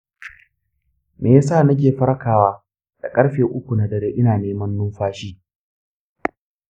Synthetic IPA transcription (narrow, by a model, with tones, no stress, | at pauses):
meː˨ja˦saː˦˨nɐ˦k̬ʲeː˨ɸɐ˦ɾɐ˦kaː˨waː˦ | d̥a̰˨kʼɐ˦ɽɸeː˨ʔʊ˦kʷu˨na˨dɐ˨ɾeː˦ʔɪ˦naː˨neː˦mɐ˦nːʊ˦mɸaː˦ʃiː˦